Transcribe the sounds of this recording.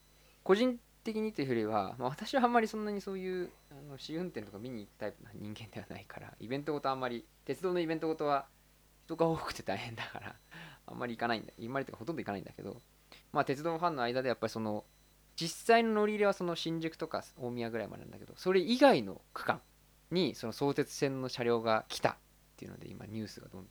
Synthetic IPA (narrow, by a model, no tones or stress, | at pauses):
ko̞ʑĩn | t̪e̞k̬ʲiɲ̟it̪oeiɯ̟joɾʲiβa̰ma̰β̞at̪aɕiβãːmːaɾʲisõnːaɲ̟iso̞ːjɯ̟ːano̞ɕiɯ̟̃nt̪ent̪o̞kamʲiɲ̟iːtt̪aipnaɲĩŋɡẽ̞nd̪e̞βana̰ikʰaɾa̰ḭbẽ̞nt̪oɡo̞t̪o̞amːaɾʲit̪e̞t͡sɨd̪oːno̞ibẽ̞nt̪oɡo̞t̪o̞βa | ç̥t̪o̞ɡaoːkɯ̟̥t̪e̞t̪aiɦẽ̞nd̪aka̰ɾa̰ã̰mːa̰ɾʲikanaḭ̃nd̪a̰imːaɾʲit̪ːekahot̪o̞nd̪oikanaḭ̃nd̪ake̞d̪o̞̰ | mat̪e̞t͡sɨd̪o̞ːɦãnːo̞aid̪ad̪e̞japːaɾʲiso̞no̞ | d͡ʑisːaino̞no̞ɾʲiɾʲeβaso̞no̞ɕĩɲ̟d͡ʑɨkɯ̟̥t̪o̞ka̰soːmʲiaɡɯ̟ɾaimad̪enã̰nd̪aked̪o̞̰so̞ɾe̞iɡaino̞̰kɯ̟̥kãŋ | ɲ̟iso̞noso̞ːt̪e̞t͡sɨ̥sẽ̞nːo̞ɕaɾʲo̞ːɡakʲʰi̥t̪a̰t̪ːe̞jiɯ̟no̰d̪e̞̰ḭma̰ɲ̟ɨːsɨɡa̰d̪õ̞nd̪